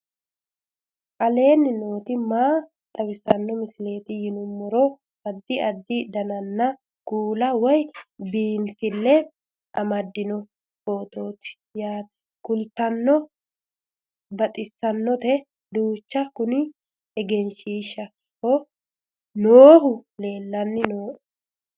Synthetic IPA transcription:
kʼɐle̞ːnːɪno̞ːt̪ɪmaː | t̪ʼɐwɪsɐnːɔmɪsɪle̞ːt̪ɪjɪnʊmːɔɾɔ | ɐd̪ːɪɐd̪ːɪd̪ɐnɐnːɐ | kuːlɐwɔjbiːntɪlːɛ | ɐmɐd̪ːɪnɔ | oːt̪o̞ːt̪ɪ̥ | jaːt̪ɐ̥ | kʊlt̪ɐnːɔ | bɐt̪ʼɪsːɐnːɔt̪ɛ | d̪uːt͡ʃːɐkʊnɪ | ɛɡɛnʃiːʃːɐ | kɔ | noːhʊle̞ːlːɐnːɪnoːʔ

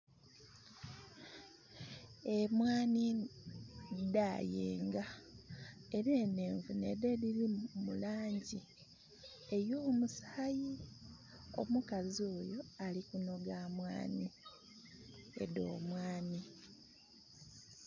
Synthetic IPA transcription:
e̞mwaːni | dajḛːŋɡa | eɾeːneːɱvunḛdediɾimulaːɲɟi | e̞joːmusaːji | o̰mukazio̞ːjo̞alikuno̞ɡaːmwa̰ːni | ḛdo̞̰ːmwaːni

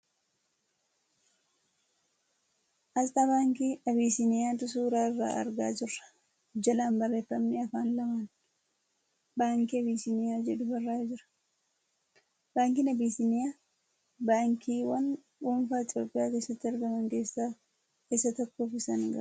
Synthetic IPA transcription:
ʔɐlt̪ʼabaːŋkiːɐβiːsɪnɪjaːnt̪ʊs̬uːɾaːɪrːa̰ːʔɐ̰ɾɡa̰ːd͡ʒɪrːɐ̥ | d͡ʒɐlaːmbɐrːe̞ːfːɐmnɪɐfaːnlɐman | baːŋkiɐbiːsɪnɪjaːd͡ʒɛᶑʊbɐrːaːd͡ʒɪɾɐ̥ | baːŋkiːnɐbiːsɪnɪjaː | baːŋkiːwɐn | ɡuːmfaːɪt̪ʼjo̞ːpʼːɪjaːke̞ːsːɐt̪ːɪɐɾɡɐmɐŋke̞ːsːaː | ɪsɐt̪ɔkːoːfɪsɐnɡɐ̰

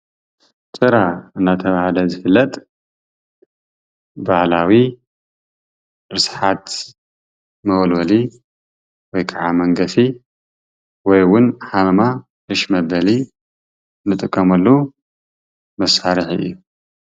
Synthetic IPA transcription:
t͡sʼɨɾaɨnːat̪ʰɐβahlɐzɨfɨlːɐt̪ʼ | baʕlawi | ɾɨsħat̪ | mɐwlwɐli | wɔjkʰʼaʕamɐŋɡɐfi | wɔjwʊnħalma | ʔɨʃmɐbɐli | nːɨt̪ʼɨkʼːɐmɐlːu | mɐsaɾɨħɨ̰jːu

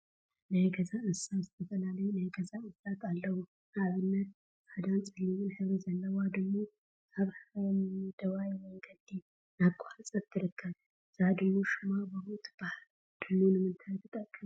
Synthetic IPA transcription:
nəjɡəzaɨnsawst̪ʰət̪ʰʼəlaləjnəjɡəzaɨnsat̪ʰalːəhu | aβɨnːət̪̚ | sad̪ansʼɨlːiwɨnhɨβzəlːəwad̪əɡmo | ʔaβhamd̪əwajwjɡəd̪i | nakʼːahasʼəbt̪ʰɨɾɨkʰːaβ | z̥ad̪ɨːuʃɪmabəbot̪ʼb̥ahal | d̪̥ɨnunɨmːɨnt̪ʰat̪ʰːɨt̪ʼəkʼːəm

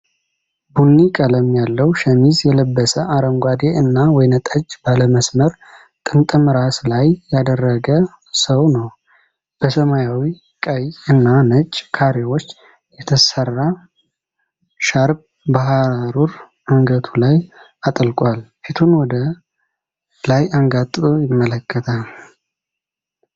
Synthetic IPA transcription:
bunːikʼələmːijalːəwʃəmizjɛləbːəsəʔaɾəmɡʷad̪eʔɨnːawɔjnət̪ʼət͡ʃʼːbaləməsməɾ | t̪ʼɨnt̪ʼɨmɨɾaslajjad̪ərːəɡə | səwnəw | b̥əsəmajawi | kʼəjɨnːanət͡ʃʼːkʰaɾewo̞t͡ʃː | jɛt̪ʰəsərːa | ʃaɾb̚ | bəɦaɾaɾuɾ | məŋɡət̪ʰulaj | at̪ʼəlkʼwalfit̪ʰunwɔd̪ə | lajaŋɡat̪ʼːɨt̪ʼojɪmːələkʰːət̪ʰal

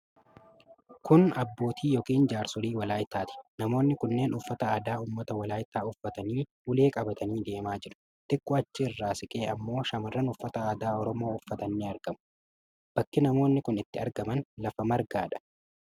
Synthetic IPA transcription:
kʊnɐbːo̞ːt̪ʰiːjoːkʼiːnd͡ʒaːɾsʊɾiːwɐlaːjɪt̪ːaːt̪ɪ̥nɐmo̞ːnːɪkʊnːe̞ːnʊfːɐt̪ɐaːd̪aːuːmːɐt̪ɐwɐlaːjɪt̪ːaːʊfːɐt̪ɐniː | ʊle̞ːkʼɐbɐt̪ɐniːd̪e̞ːmaːd͡ʒɪɾʊ̥ | t̪ɪkːɔɐt͡ʃːɪɪrːaːsɪkʼe̞ːɐmːo̞ːʃɐmɐrːɐnʊfːɐt̪ɐaːd̪aːɔɾɔmo̞ːʊfːɐt̪ɐnːiɐɾɡɐmʊ̥ | b̥ɐkːɪnɐmo̞ːnːɪkʊnɪt̪ːɪɐɾɡɐmɐnlɐfɐmɐɾɡaːᶑɐ̥

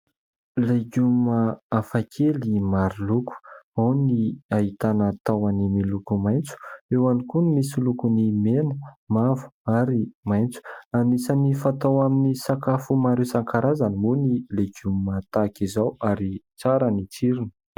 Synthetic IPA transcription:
leɡuməafakʰelimaɾiluku̥awniaɦit̪anat̪awanimilukumajnt͡su̥ewanikunmisilukunimenəmavu̥aɾimajnt͡su̥anisanifat̪awaminisakafumaɾewsaŋkaɾazanimunileɡumat̪akizawaɾi | t͡saɾənit͡siɾinə̥

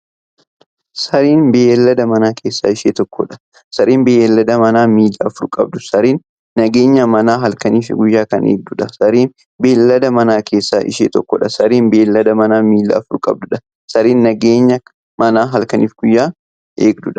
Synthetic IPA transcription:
sɐɾiːnbeːɛlːɐd̪ɐmɐnaːkʰe̞ːsːaːɪʃeːt̪ɔkːɔ̰ᶑɐ̥ | sɐɾiːnbeːɐlːɐd̪ɐmɐnaːmiːlːɐːfʊɾkʼɐ̰b̚d̪ʊsɐɾiːnː | ɐɡe̞ːɲːɐmɐnaːɦɐlkɐniːfɪɡʊjːaːkɐnʔḛːɡ̚d̪ʊᶑɐsɐɾiːn | beːlːɐd̪ɐmɐnaːkʰe̞ːsːaːʔɪ̰ʃeːt̪ɔkːɔ̰ᶑɐsɐɾiːnbeːlːɐd̪ɐmɐnaːmiːlːɐ̰ːfʊɾkʼɐ̰b̚d̪ʊᶑɐ | sɐɾiːnːɐɡeːɲːɐ | mɐnaːɦɐlkɐniːfɡ̥ʊjːaː | ʔe̞ːɡd̪ʊᶑɐ

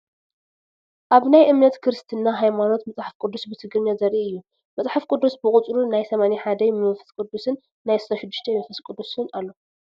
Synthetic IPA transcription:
ʔaβnajʔɨmnɐt̪kʰɨɾɨst̪ʰɨnːaɦajmano̞t̪mɐt͡sʼħafkʼɨd̪ːusbɨt̪ʰɨɡɾɨɲːazɐɾʔiʔɨjːu | mɐt͡sʼħafkʼɨd̪ːusbɨkʼʊt͡sʼɾunajsɐmaniħad̪ɐjmɨfɨ̥skʼɨd̪ːusɨnː | ajst̪ɐʃɪd̪ːuʃt̪ʰemɐfɨskʼɨd̪ːusɨnalːo̞

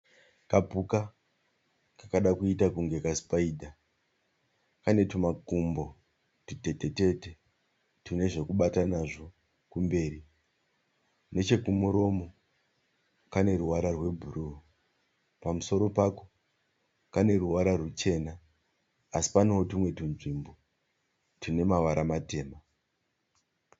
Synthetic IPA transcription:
kapuka | kakaɗakuitakuŋɡe̞kaspaidʱa | kane̞tumakumbo̞ | tite̞te̞te̞te | tine̞ʐe̞kuɓatanaʐo̞ | kumbe̞ːɾi | ne̞t͡ʃe̞kumuɾo̞mo̞ | kane̞ɾuwaɾarwe̞bʱuɾu | pamuso̞ɾo̞pako̥ | kane̞ɾuwaɾarut͡ʃe̞naː | si̥paneotimwe̞tinʐimbo | tine̞maʋaɾʔamate̞ːma

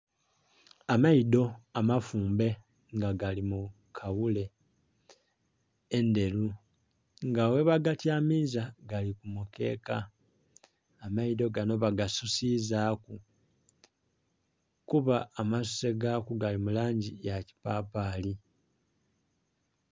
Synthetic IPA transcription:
amaido̞amafuːmbe̞ | ŋɡaɡalimu | kʰaβule̞ | nde̞lu | ŋɡawe̞βaɡatjaːmizaɡalikumuke̞̰ːka | maido̞ɡano̞βaɡasusizaːku | kuβaːmasu̥se̞ɡakuɡalimulaːɲɟijaci̥paːpaːli

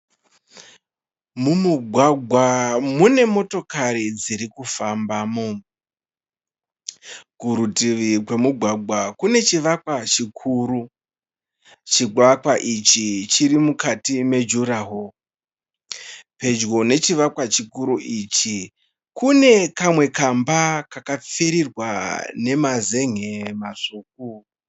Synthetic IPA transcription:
mumuɡʱwaɡʱwamune̞mo̞to̞kaɾid͡ziɾikufambaːmo | ɡ̥ʱuɾutiʋikwe̞muɡʱwaɡʱwakune̞t͡ʃiʋakwat͡ʃikʰuːɾu | t͡ʃiɡʱwakwaʔit͡ʃit͡ʃiɾimukatime̞d͡ʒuɾaɦo | pe̞d͡ʒɡo̞ne̞t͡ʃiʋakwat͡ʃikuɾuʔit͡ʃi | kune̞kamwe̞kambakakap͡feɾirwa̰ne̞maze̞ŋemaʂuːk̚u

